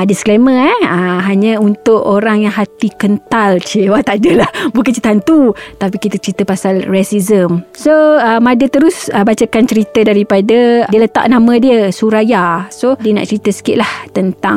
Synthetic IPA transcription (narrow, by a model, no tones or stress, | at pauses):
diskleməaɦaɲə̃unt̪ʊʔoɾaŋjaŋɦat̪ikənt̪alt͡ʃewat̪adəlahbukãnt͡ʃəit̪aɦant̪ut̪ap̬ikit̪ət͡ʃəɾit̪əpasalrɛsizəmsoəmadət̪əɾʊsəbat͡ʃəkant͡ʃəɾit̪ədaɾipadədiələt̪a̰ʔnãmə̃diəsuɾajasodiəna̰ʔt͡ʃəɾit̪əsə̥kɪ̰ʔlaht̪ənt̪aŋ